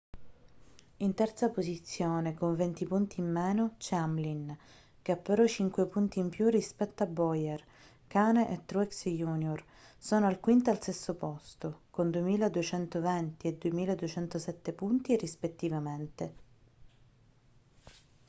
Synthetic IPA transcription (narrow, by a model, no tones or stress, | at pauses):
int̪ɛrt̪sapozit̪sːjoːnekoɱvent̪ipunt̪iːmːɛːnot͡ʃɛɛamlin | k̟eapːeɾɔt͡ʃiŋkwepunt̪iːmpjurːispɛt̪ːoabɔjɛr | kaːneʔet̪ːɾuɛksjuːnjor | sɔːnoalkwint̪aalsesːopɔst̪okond̪uemiːlad̪uet͡ʃɛnt̪ovɛnt̪ied̪ːuemiːlad̪uet͡ʃɛnt̪osɛt̪ːepunt̪irispet̪ːivament̪e